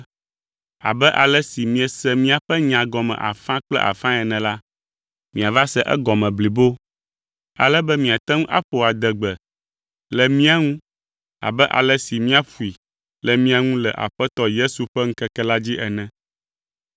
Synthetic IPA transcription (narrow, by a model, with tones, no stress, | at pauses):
a̰˨bɛ˦ʔa˨lɛ˦si˨mĩ˦ɛ˨sɛ˦mĩ˦a˨ɸɛ˦ɲã˨ɡɔ˨mɛ̰̃˨ʔa̰˨fã˦k͡plɛ̰˦ʔa̰˨fã˦ɛ˨nɛ̃˨la˦ | mĩ˨a˨va˦sɛ˦ʔɛ̰˦ɡɔ˨mɛ̃˨bli˨bo˦ | a̰˨lɛ˦bɛ˦mĩ˨a˨t̪ɛ˦ŋ̃˦ʔa̰˦ɸo˨a˨d̪ɛ˨ɡ͡bɛ˨ | lɛ˨mĩ˦a˨ŋũ˦ | a̰˨bɛ˦ʔa̰˨lɛ˦si˨mĩ˦a˨ɸu˨i˨ | lɛ˨mĩ˦a˨ŋũ˦lɛ˨ʔa̰˨ɸɛ˦t̪ɔ˦je˦su˨ɸɛ˦ŋ̩̃˦kɛ˦kɛ˦la˦d͡ʑi˦ʔɛ˨nɛ̃˨